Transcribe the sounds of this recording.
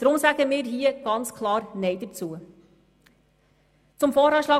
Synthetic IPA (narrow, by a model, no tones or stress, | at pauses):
d̥ɾʊmsæɡ̥əmiːɾɦiːəɡ̥ɑnt͡skʰlˠɑːɾnɛɪd̥ət͡suə | t͡sʊmfɔːɾɑːʃlɑː